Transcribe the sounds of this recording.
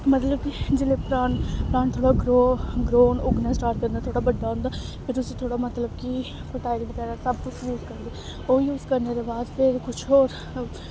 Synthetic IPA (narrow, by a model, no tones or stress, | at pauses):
mət̪ləbkid͡ʒɪlepɾaːnpɾaːnt̪ʰoːɽaɡɾoɡɾoːnʊɡnãsʈaːɾʈ̚kəɾnd̪aːt̪ʰoːɽabəɖːaːɦõnd̪aːpʰɪɾʊset̪ʰoːɽamət̪ləbki | pəʈaːɪlɪŋkɛɾasɐb̚kʊt͡ʃʰjuːzkəɾnd̪e | oːjuːzkəɾneɾebaːd̪pʰɪɾkʊt͡ʃʰoːɾ